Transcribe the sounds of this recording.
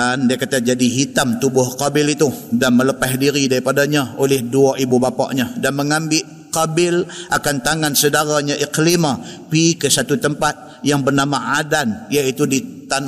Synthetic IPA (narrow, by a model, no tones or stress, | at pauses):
andiakat̪ad͡ʒadiɦit̪amt̪ubʊhqabɪlit̪udanmələpahdiɾidaɾipadaɲaolɪhduaʔibubapa̰ʔɲadanməŋambɪʔ | qabɪlʔakant̪aŋansədaɾaɲaʔiklimapikəsat̪ut̪əmpat̪̚ | jaŋbərnamaadanjait̪udit̪an